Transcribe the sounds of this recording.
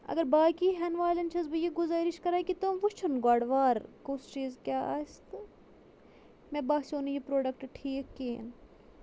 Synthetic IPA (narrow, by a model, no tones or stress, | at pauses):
ɐ̰ɡɐɾbaːkiːɦɛnʋaːlɐnt͡ʃʰɐzbɨjeɡʊzaːɾiʃkɐɾaːkit̪umʋut͡ʃʰunɡaːɽʋaːɾkost͡ʃiːzkʲjaːʔa̰ːst̪ | mɛ̃ːbaːsoːnjipɾoːɖɐkʈʈʰiːkːeːn